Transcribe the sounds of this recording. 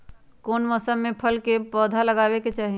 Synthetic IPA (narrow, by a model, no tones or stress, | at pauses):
koːnmɔːsəmːẽpʰəlkepɔːd̪ʱaləɡaːweket͡ʃaːɦi